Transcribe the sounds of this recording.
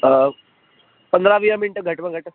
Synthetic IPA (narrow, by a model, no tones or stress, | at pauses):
pənd̪ɾaʋijamiɳʈəɡʱəʈməɡʱəʈə